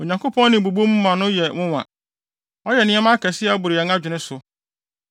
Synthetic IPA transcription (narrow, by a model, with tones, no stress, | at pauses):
o˨ɲã˨ŋko˦pʰɔ̃˦nɪ̃˨bu˨bu˦o˦mũ˦mã˨nʊ̃˦jɛ˨wʊ̃˦wã̰˨ | ɔ˦jɛ˨nɪ̃˦ɛ˦mã˦kʰɛ˨sɪ˦a˨˦bʊ˨ɾɪ˨ɛ˨ŋã˦d͡ʑᶣʊ˨nɪ̃˦sʊ˨